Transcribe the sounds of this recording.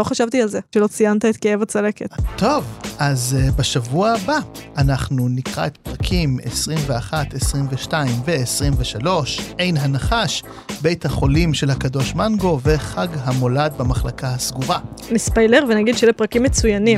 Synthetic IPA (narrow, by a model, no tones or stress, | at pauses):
lo̞χaʃavt̪ialzeʃelo̞t͡sijant̪aet̪̚keevat͡salekett̪ʰo̞vazbaʃavuabaanaχnunikʁa̰et̪pʁakʰimḛsʁimveaχat̪esʁimveʃtaimveːsʁimveʃalo̞ʃʔe̞jnɦanaχaʃ | be̞jt̪haχo̞limʃe̞lhakado̞ʃmanɡo̞ve̞χaɡɦamo̞lad̪̚bamaχlakahasɡuʁanispojleʁvenaɡid̪ʃelepʁakimːet͡sujanim